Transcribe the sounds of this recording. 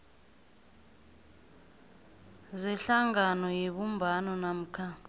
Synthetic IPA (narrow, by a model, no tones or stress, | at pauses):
ziɬaŋanɔjeɓumbʱanɔnam̩kʰa